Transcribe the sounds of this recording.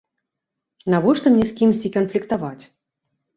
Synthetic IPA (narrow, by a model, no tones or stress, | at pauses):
navɔʂt̪ɔmnʲɛsʲkʲimsʲt͡sʲikɐnflʲikt̪avat͡sʲ